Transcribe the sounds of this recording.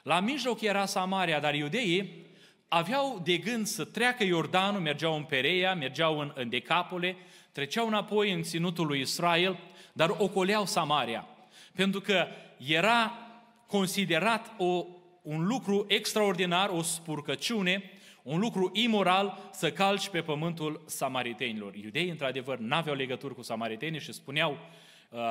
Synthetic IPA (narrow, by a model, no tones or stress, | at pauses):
lamiʒlo̞kje̞ɾasamaɾiad̪arjud̪e̞jej | aveawd̪e̞ɡɨnd̪sət̪ɾeakəjo̞rd̪anume̞rd͡ʒawɨnpe̞ɾe̞jame̞rd͡ʒawɨnɨnd̪e̞kapole̞ | t̪ɾe̞t͡ʃawɨnapo̞jɨnt̪sinut̪ulːujisɾae̞ld̪aro̞ko̞leawsamaɾija̰ | pe̞nt̪ɾukəje̞ɾa | ko̞nsid̪e̞ɾat̪o̞ | unlukɾuʔe̞kst̪ɾao̞rd̪inaro̞spurkət͡ʃune̞ | unlukɾuʔimo̞ɾalsəkalt͡ʃʲpe̞pəmɨnt̪ulsamaɾit̪e̞nilo̞rjud̪e̞jɨnt̪ɾad̪e̞vərnaveawle̞ɡət̪urkusamaɾit̪eneʃispuneaw